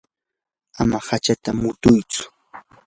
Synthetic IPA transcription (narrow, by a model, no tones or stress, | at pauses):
amahat͡ʃat̪amʊt̪ʊjt͡sʊ̥